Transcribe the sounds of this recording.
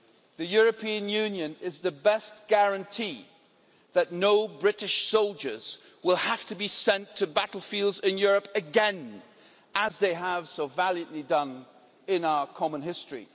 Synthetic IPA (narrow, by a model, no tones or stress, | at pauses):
ðɨjʊɹɨpʰĩɨ̃njʉ̃njɨ̃nɪzðɨbɛstɡ̥æɹɨ̃ntʰi | ðɨtⁿnoʊbɹɪɾɨʃsoʊlˠd͡ʒə˞z̥ | wɪlˠhaftɨbisɛ̃ntʰɨbæɾl̩ˠfilˠdzɪ̃njʊɹɨpɨɡɛ̃n | ʔəzðeɪəv̥soʊvælˠjɨ̃nʔlidʌ̃n | ɪ̃naʊə˞kʰɑmə̃nɦɪstɹ̥ḭ